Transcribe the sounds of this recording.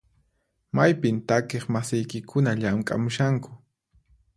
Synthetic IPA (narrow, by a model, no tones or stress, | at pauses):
majpɪnt̪akeχmasɪjkɪkʰʊnaʎamkʼa̰mʊʃaŋkʊ̥